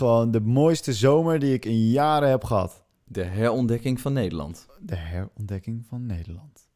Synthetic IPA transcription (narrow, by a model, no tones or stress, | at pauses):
əʋowndəmoːjstəzowməɹdiɪkɪnjaːɾəɦɛpχəɦɑ̰t | dəɦɛɹɔndɛkɪŋfɔnːejdəlɑ̰nt | dəɦɛɹɔndɛkɪŋvɑnːejdəlɑnt